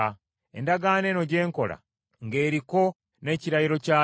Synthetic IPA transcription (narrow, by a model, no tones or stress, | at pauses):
endaɡane̞noɟe̞ːŋko̞̰ɾa̰ | ŋɡe̞ːɾiko̞ | ne̞ciɾajiɾo̞ca